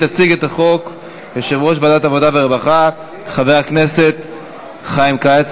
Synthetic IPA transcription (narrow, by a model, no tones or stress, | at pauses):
tat͡siɡet̪aχo̞k | jeʃevʁo̞ʃ̬badat̪avo̞d̪abeʁebaχa | χaveʁaknese̞t̪ | χajimkaet͡s